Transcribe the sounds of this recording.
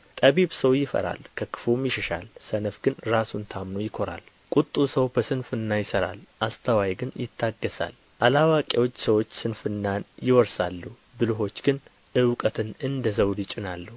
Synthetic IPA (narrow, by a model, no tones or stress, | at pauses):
t̪ʼəβiβsəwjɪfə̰ɾa̰lkʰəkɨ̥fumjɪʃɛʃa̰lsənəfɡɨnɾasunt̪ʰamnojɪkʰo̞ɾa̰l | kʼut̪ʼːusəwbəsɨnfɨnːajɪsəɾa̰lʔast̪ʰəwajɡɨnjɪt̪ʰːaɡːəsa̰l | ʔalawakʼewo̞t͡ʃːsəwo̞t͡ʃːsɨnfɨnːanjɪwɔɾsalːu | bɨlɨɦo̞t͡ʃːɡ̥ɨn | ʔɨwkʼət̪ʰɨnɨnd̪əzəwlɨt͡ʃʼɪnalːu